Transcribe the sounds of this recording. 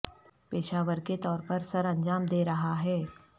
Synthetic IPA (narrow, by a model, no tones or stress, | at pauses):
peːʃaːʋəɾket̪ɔːɾpɐɾsɐɾɐ̃nd͡ʒaːmd̪eːɾɐɦaɦɛː